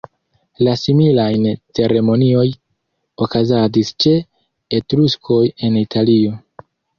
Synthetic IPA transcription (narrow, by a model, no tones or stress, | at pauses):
lasimilajnt͡se̞ɾe̞mo̞nio̞j | okazadist͡ʃe̞ | etɾuskʰo̞je̞nitʰalio̞